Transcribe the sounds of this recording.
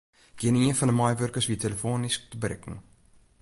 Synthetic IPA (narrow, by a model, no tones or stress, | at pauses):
d̥iəniənfɐndəmɑjvœrkərsviəteləfoːnisktəbəɾɛ̰kə̰ŋ